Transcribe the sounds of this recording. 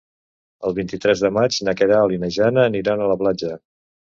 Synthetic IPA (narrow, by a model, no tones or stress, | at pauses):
əlˠβint̪it̪ɾɛzðəmad͡ʒnəkeɾaːlinəʒanəːniɾanələplad͡ʒə